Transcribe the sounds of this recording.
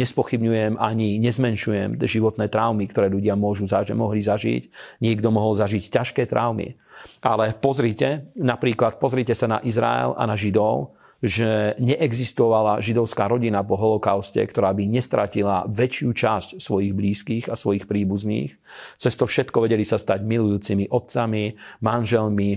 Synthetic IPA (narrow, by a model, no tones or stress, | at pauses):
ɲɛspɔxibɲujɛmaɲiɲɛzmɛnʃujɛmʒiʋɔt̪nɛːt̪ɾaʊmikt̪ɔɾɛːʎuɟɪamʊɔʒuzaɛmɔɦlizaʒḭcɲɪɛɡd̪ɔmɔɦɔlzaʒiccaʃkɛːt̪ɾʔaʊmḭalɛpɔzɾiːcɛnapɾiːklat̪̚pɔzɾiːcɛsana̰ʔizɾa̰ɛ̰la̰naʒid̪ɔʊ | ʒɛɲɛʔɛɡzist̪ɔʋalaʒid̪ɔʊskaːɾɔɟinap̬ɔɦɔlɔkaʊscɛ̰kt̪ɔɾaːbiɲɛst̪ɾʔacila̰ʋɛt͡ʃɪut͡ʃascsʋɔjiɣbliːskiːɣasʋɔjixpɾiːbuznḭːx | t͡sɛst̪ɔfʃɛt̪kɔʋɛɟɛlisast̪aɟmilujuːt͡simiʔɔt̪̚t͡samimanʒɛlmi